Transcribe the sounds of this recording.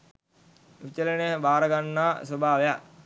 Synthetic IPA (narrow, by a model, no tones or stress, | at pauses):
ʋit͡ʃəleneɦbaːɾəɡanːaːsobʱaːʋeja